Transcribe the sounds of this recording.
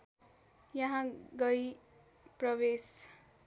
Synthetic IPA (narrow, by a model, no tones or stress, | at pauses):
jʌɦãɡʌj | prʌbes